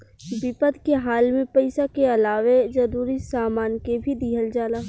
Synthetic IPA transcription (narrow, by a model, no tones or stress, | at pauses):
bɪpəd̪ʱkeɦaːlmẽpəɪsakeɐlaːʋed͡ʒɐɾuːɾisaːmaːnkebʱid̪iːɦəld͡ʒaːlaː